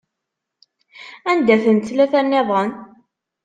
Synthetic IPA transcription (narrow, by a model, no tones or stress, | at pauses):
ænd̪æθənt̪læθænːeðˤən